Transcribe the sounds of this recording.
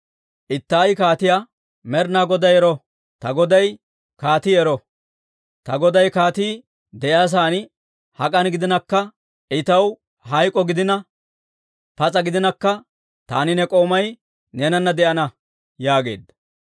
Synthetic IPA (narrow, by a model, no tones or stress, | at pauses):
ʔɪt̪ːaːjkaːt̪ɪja | mɛɾnaːɡɔd̪ɐjɛɾɔ | t̪ɐɡɔd̪ɐj | kaːt̪iːɛɾɔ | t̪ɐɡɔd̪ɐjkaːt̪iː | d̪ɛjaːs̬aːn | hɐkʼɐnɡɪd̪ɪnɐkːɐ | ɪt̪ɐw | ɦɐjkʼɔɡɪd̪ɪnɐ | pɐt͡sʼɐɡɪd̪ɪnɐkːɐ | t̪a̰ːnɪnɛkʼo̞ːmɐj | neːnɐnːɐd̪ɛʔɐnɐ | jaːɡe̞̰ːd̪ːɐ